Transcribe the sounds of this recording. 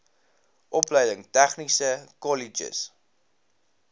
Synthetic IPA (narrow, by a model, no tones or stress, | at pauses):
ʔɔpləjdəŋtæχnisəkɔlid͡ʒə̰s